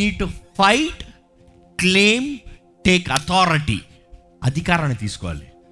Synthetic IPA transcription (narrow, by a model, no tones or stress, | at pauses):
iːɖ̚ʈufʰɐjʈ | kleːm | ʈeːkɐt̪ʰɔːɾiʈḭ | ɐd̪ʱikaːɾɐnɐt̪iːsu̥kɔʋa̰ːli